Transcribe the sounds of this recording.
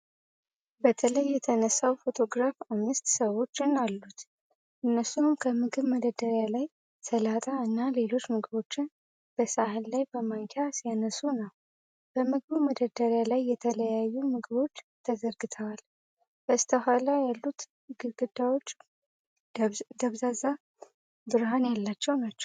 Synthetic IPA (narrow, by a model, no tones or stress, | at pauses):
bət̪ʰələjːɛt̪ʰənəsːawfo̞t̪ʰo̞ɡɾafamːɨst̪səwo̞t͡ʃːɪnalːut̪ | ʔɨnːəsːumkʰəmɨɡɨβməd̪əd̪əɾjalaj | t̪ʰəlat̪ʼaɨnːale̞lo̞t͡ʃːmɨɡɨβo̞t͡ʃːɪn | b̥əsaɦɨllajbəmaŋkʰasjanəsunəw | b̥əmɨɡɨβuməd̪əd̪əɾjalajːɛt̪ʰələjajːumɨɡɨβo̞t͡ʃːt̪ʰəzəɾɡɨt̪ʰəwal | b̥əɨst̪ʰəɦʷalajalːut̪ | ɡɨɡɨd̪ːawo̞t͡ʃː | d̪əβzaza | bɨɾɦanjalːat͡ʃːɛwnat͡ʃːɛ̥w